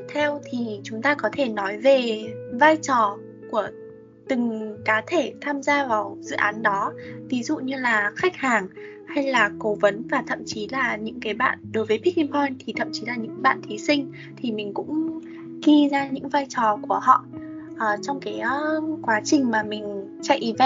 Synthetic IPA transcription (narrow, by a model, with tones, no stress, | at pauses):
t̪ʰɛ˧wt̪ʰi˨˩t͡ɕʊ˨˦ŋ͡mt̪aː˧kɔ˨˦t̪ʰe˧˩nɔ˨˦jve˨˩vaː˧jt͡ɕɔ˨˩ | ku˧˩ə | t̪ɨ˨˩ŋkaː˨˦t̪ʰe˧˩t̪ʰaː˧mzaː˧vaː˨˩wzɨ̰˧˨ʔaː˨˦nɗɔ˨˦vi˨˦zṵ˧˨ɲɨ˧laː˨˩xa˦˥k̟̚haː˨˩ŋha˧jlaː˨˩ko˨˦wvə˨˦nvaː˨˩t̪ʰə̰˧˨mt͡ɕi˨˦laː˨˩ɲɨ̰˧˥ŋkaː˨˦jɓa̰ː˧˨nɗo˨˦jvəː˨˦jpʰi˦˥i˧pʰɔ˧jnt̪ʰi˨˩t̪ʰə̰˧˨mt͡ɕi˨˦laː˨˩ɲɨ̰˧˥ŋɓa̰ː˧˨nt̪ʰi˨˦sï˧ŋ̟ | t̪ʰi˨˩mï˨˩ŋ̟kʊ̰˧˥ŋ͡m | ɣi˧zaː˧ɲɨ̰˧˥ŋvaː˧jt͡ɕɔ˨˩ku˧˩əhɔ̰˧˨ʔ | ʔəː˨˩t͡ɕɔ˧wŋ͡mkaː˨˦jkwaː˨˦t͡ɕï˨˩ŋ̟maː˨˩mï˨˩ŋ̟ | t͡ɕa̰˧˨jʔi˨˦va˧